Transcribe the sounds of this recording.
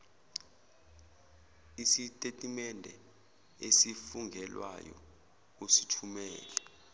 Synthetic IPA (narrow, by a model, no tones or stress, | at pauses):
isitʼetʼimɛndʱɛ | esifuŋɡʱɛlwa̰jɔ̰ | usitʰumɛːlɛ